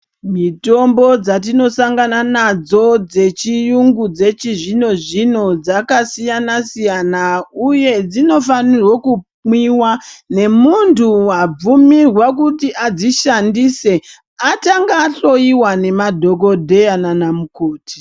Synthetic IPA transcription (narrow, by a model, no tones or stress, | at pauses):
mito̞mbo̞d͡zat̬ino̞saŋɡananad͡zo̞d͡ze̞t͡ʃijuŋɡud͡ze̞t͡ʃiʐino̞ʐino̞d͡zakasijanasijanauje̞d͡zino̞fanirwoku | mwiwane̞muntʰuwab͡vumirwakutiʔad͡ziʃandise̞ | ataŋɡaɬo̞iwane̞madʱo̞k̬o̞dʱe̞jananamukoːti̥